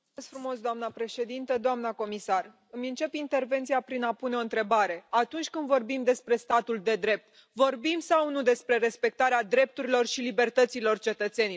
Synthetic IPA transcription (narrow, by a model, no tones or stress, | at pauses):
sfɾumo̞sd̪oamnəpɾe̞ʃe̞d̪int̪əd̪oamnəko̞misar | ɨmʲɨnt͡ʃe̞pint̪e̞rve̞nt̪siapɾinapuneo̞ɨnt̪ɾe̞baɾe̞at̪unt͡ʃʲkɨnd̪vo̞rbimd̪e̞spɾest̪at̪uld̪e̞d̪ɾe̞p̚t̪ | vo̞rbimsawnud̪e̞spɾe̞ɾe̞spe̞k̚t̪aɾead̪ɾe̞p̚t̪uɾilo̞rʃilibe̞rt̪ət̪silo̞rt͡ʃe̞t̪ət̪se̞ni